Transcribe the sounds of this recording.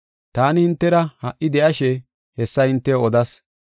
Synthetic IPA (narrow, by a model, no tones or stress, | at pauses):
t̪aːnɪhɪnt̪ːɛɾɐhɐʔːɪd̪ɛʔɐʃɛ | hɛsːɐhɪnt̪ːɛɔd̪ɐs